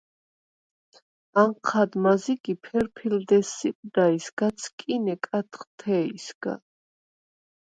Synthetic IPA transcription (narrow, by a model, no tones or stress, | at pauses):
aɴqʰad̪maziɡipʰɛɾpʰild̪ɛsːiqʼd̪aisɡ̥at̪sʰkʼinɛkʼat̪ʰχt̪ʰɛisɡ̥a̰